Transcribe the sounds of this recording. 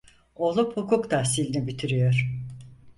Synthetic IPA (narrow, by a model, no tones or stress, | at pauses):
olˠuphukʰukt̪ʰasilʲinibit̪ʰiɾyjoɾ